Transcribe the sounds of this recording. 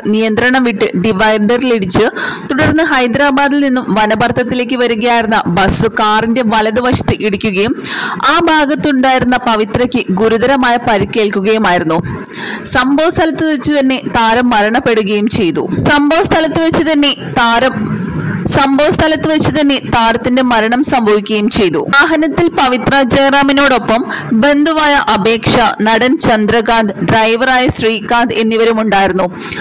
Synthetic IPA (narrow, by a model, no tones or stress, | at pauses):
nijɐnd̪ɾɐɳɐmʋiʈːɨɖiʋɐjɳɖɐriliɽit͡ɕːɨt̪uɽɐrnːɨɦɐjd̪ɾaːbaːðilninːumʋɐnɐbɐrt̪ʰːɐt̪ːile̞ːk̬ʲːɨʋɐɾuɣɐjaːjiɾunːɐbɐsukaːrinde̞ʋɐlɐðɨʋɐʂɐ̥t̪ːɨʔiɽikʲːuɣɐjumaːbʱaːɡɐt̪ːuɳɖaːjiɾunːɐpɐʋit̪rɐkʲːɨɡuɾuðɐɾɐmaːjɐpɐɾikʲːe̞ːɭkuɣɐjumaːjiɾunːu | sɐmbʱɐʋɐst̪ʰɐlɐt̪ːɨðɐt͡ɕːut̪ɐnːe̞t̪aːɾɐmːɐɾɐɳɐpːe̞ɽuɣɐjumt͡ɕe̞jt̪ṵsɐmbʱoʋɐst̪ʰɐlɐt̪ːɨʋet͡ɕːut̪ɐnːet̪aːɾɐm | sɐmbʱoːɐst̪ʰɐlɐt̪ːɨʋet͡ɕːut̪ɐnːe̞t̪aːɾɐt̪ːinde̞mɐɾɐɳɐmsɐmbʱɐʋikʲːɐjumt͡ɕe̞jt̪ṵaːɦɐnɐt̪ːilpɐʋit̪rɐd͡ʑeːraːmino̞ːɽo̞pːɐm | be̞nd̪ʱuʋaːjɐʔɐbe̞ːkʂɐnɐɽɐnt͡ɕɐnd̪rɐɡaːnd̪ɨɖrɐjʋɐraːjɐɕriːkaːnd̪e̞nːiʋɐɾumuɳɖaːjiɾunːu